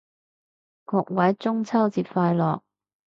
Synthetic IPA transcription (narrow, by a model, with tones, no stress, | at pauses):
kɔː˨˧k̚wɐ˨˥jt͡sʊ˥ŋt͡sʰɐ˥wt͡siː˧p̚faː˧jlɔː˨k̚